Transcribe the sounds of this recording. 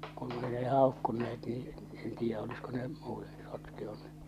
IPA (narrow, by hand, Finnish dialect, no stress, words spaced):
kun ei ne hɑˑokːunːeet niː en tiːjːæʔ olisko ne muːte̥ sotkeoneː